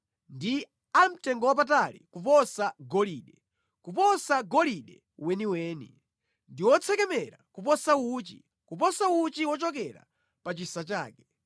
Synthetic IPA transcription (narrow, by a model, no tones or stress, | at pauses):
ndi | am̩tɛŋɡɔwap̬ataɾḭkupɔsaɡɔliːɗɛ | kupɔsaɡɔliɗɛ | wɛniwɛːnḭ | ndiwɔt͡sʰɛkɛmɛɾakupɔsawuːt͡ʃḭ | kupɔsawut͡ʃiwɔt͡ʃɔk̬ɛɾa̰ | pat͡ʃisat͡ʃaːkɛ